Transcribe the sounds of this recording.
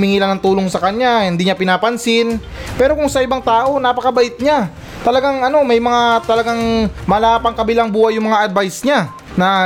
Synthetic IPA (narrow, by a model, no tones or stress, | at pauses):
mɪŋiːlɐnɐŋt̪uːloŋsɐkɐɲahɪnd̪iːɲapɪnaːpɐnsɪn | pɛːɾo̞kʊŋsɐʔɪbaŋt̪aːʔo̞napɐkɐbɐʔɪt̪̚ɲa | t̪ɐlɐɡaŋɐno̞mɐjmɐŋat̪ɐlɐɡaŋmɐlaːpɐŋkɐbɪlaŋbuːhajʊŋmɐŋaʔɐd̪̚bajsɲa | nɐ